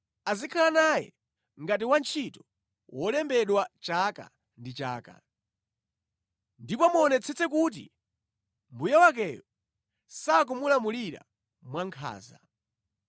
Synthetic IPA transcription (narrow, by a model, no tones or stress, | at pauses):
azikʰalanajɛ̰ | ŋɡat̬iwant͡ʃʰitɔ̥ | wʔɔlɛmbɛɗwat͡ʃaːka̰ | ndit͡ʃaːka̰ | ndipɔmuɔnɛt͡sʰɛt͡sɛk̬ut̬ḭ | mbujawakɛjɔ | saːk̬umulamuliɾa̰ | mwaŋkʰa̰ːza